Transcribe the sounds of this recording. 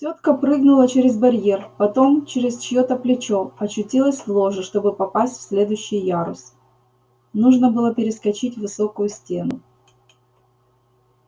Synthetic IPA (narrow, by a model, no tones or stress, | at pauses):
tʲot̪kəpɾɨɡnʊlˠət͡ɕeɾʲɪzbɐɾʲjerpɐt̪o̞mt͡ɕɪɾʲɪst͡ɕɪjot̪əplʲɪt͡ɕo̞ɐt͡ɕːʊtʲilˠəsʲvlˠoʐɨʂt̪o̞bɨpɐpasʲtʲfsʲlʲe̞d̪ʊjɕːɪjjaɾʊ̰s | nuʐnəbɨlˠəpʲɪɾʲɪskɐt͡ɕitʲvɨso̞kʊjʊsʲtʲe̞nʊ